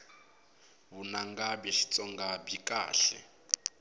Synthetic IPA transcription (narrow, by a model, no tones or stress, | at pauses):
βunaŋɡabɛʃi̥t͡sʼɔŋɡabikʼa̰ːɬɛ̰